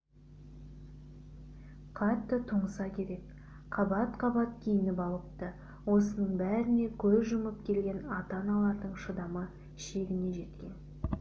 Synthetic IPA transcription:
qʰɑt̪ːət̪ʰəɴəsɑkʲʰe̞ɾe̞k | qʰɑbɑt̪qʰɑbɑt̪kʲʰejɪnɪpɑlˠəp̚t̪ə | wo̞sənəɴbæɾɪne̞kʲʰɵzʒʊməp̚kʲʰe̞lɡʲe̞nɑt̪ɑnɑlˠɑɾd̪əɴʃəd̪ɑmə | ʃe̞ɡʲɪne̞ʒe̞t̪kʲe̞n

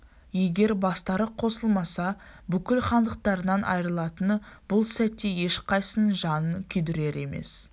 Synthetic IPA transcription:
je̞ɡʲe̞ɾbɑst̪ɑɾəqqʰːo̞səlˠmɑsɑ | bʏkʲɪlχɑnd̪əq̚t̪ɑɾənɑnʔɑ̰jɾəlˠɑt̪ənb̥ʊlˠsæt̪ːe̞je̞ʃqʰɑjsənʒɑnəkʲʰʏd̪ɪɾe̞ɾe̞me̞̰s

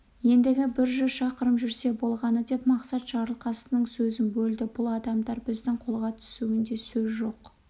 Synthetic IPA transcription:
je̞nd̪ɪɡʲɪbɪɾʒʏzʃɑqəɾəmʒʏɾse̞bo̞lˠʁɑnəd̪e̞pmɑqsɑt̪ʒ̥ɑɾəlˠqɑsənəɴsɵzɪnbɵld̪ɪbʊlˠɑd̪ɑmd̪ɑɾbɪzd̪ɪŋqʰo̞lˠʁɑt̪ʰʏ̥suɡɪnd̪e̞sɵzʒo̞q

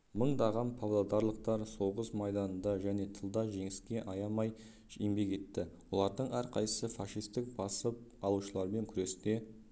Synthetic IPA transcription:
məɴd̪ɑʁɑmpʰovlˠad̪ɑɾlˠəq̚t̪ɑɾso̞ʁəsmɑjd̪ɑnənd̪ɑʒæne̞t̪ʰəlˠd̪ɑʒe̞ŋɪskʲe̞ʔɑjɑmɑj | ʒeŋbe̞ke̞t̪ːɪwo̞lˠɑɾd̪əɴæɾqʰɑjəsəfɑʃijst̪ɪk̚b̥ɑsəp̚ɑlˠuʃəlˠɑɾme̞ŋkʲʰʏɾe̞st̪e̞

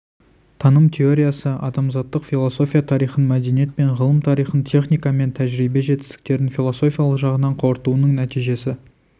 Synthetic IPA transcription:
t̪ʰɑnəmt̪ʲʰeo̞ɾʲijasəʔɑd̪ɑmzɑt̪ːəqfʲilˠoso̞fʲijat̪ʰɑɾijχənmæd̪e̞nije̞t̪̚pe̞ɴʁəlˠəmt̪ʰɑɾijχənt̪ʲʰe̞χnijkɑme̞nt̪ʰæʒɾibe̞ʒe̞t̪ɪ̥st̪ɪ̥k̚t̪e̞ɾɪnfʲilˠo̞so̞fʲijalˠəqʒɑʁənɑɴqʰo̞ɾt̪uənəŋnæt̪ijʒe̞sɪ

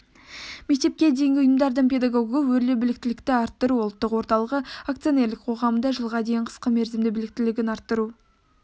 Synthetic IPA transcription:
mek̚t̪e̞p̚kʲe̞d̪e̞jŋɡʲɪʊjəmd̪ɑɾd̪əɴpʲe̞d̪aɡoɡəwɵɾlebɪlɪk̚t̪ɪlɪkt̪ɪɑɾt̪ːəɾuolˠt̪ːəqwo̞ɾt̪ɑlˠəʁəakt̪sio̞ne̞ɾlɪk̚qʰo̞ʁɑmənd̪ɑʒəlˠʁɑd̪e̞jɪɴqʰə̥sqəme̞ɾzɪmd̪ɪbɪlɪk̚t̪ɪlɪɡʲɪnɑɾt̪ːəɾu

